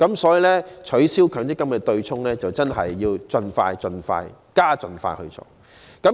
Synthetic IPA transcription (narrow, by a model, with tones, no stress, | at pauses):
kɐ˨˥msɔː˨˥ji˨lɛː˥t͡ʃʰɵ˨˥ɥsiː˥wkʰœː˨˥ŋt̪ɪ˥kːɐ˥mkɛː˧t̪ɵ˧ɥt͡sʰʊ˥ŋlɛː˥t͡sɐ˨wt͡sɐ˥nɦɐ̰˨jːiː˧wt͡sɵ˧nfa̰ː˧jt͡sɵ˧nfa̰ː˧j | kaː˥t͡sɵ˨˧nfa̰ː˧jhɵ̰˧t͡sɔ̰ː˨˧ | kɐ˨˥